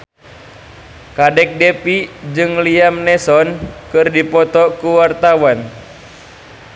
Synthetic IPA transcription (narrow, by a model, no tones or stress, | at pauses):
kadɛk̚dɛpid͡ʒɨŋliamnɛsɔnkɨrdipɔt̪ɔkuwart̪awan